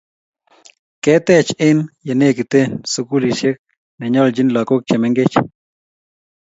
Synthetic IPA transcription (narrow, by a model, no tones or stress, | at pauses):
kɛːt̪eːt͡ʃenjɐneːkit̪ensukuliʃek̚ | neɲɔːld͡ʒinlakok̚t͡ʃɛmɛŋɡet͡ʃ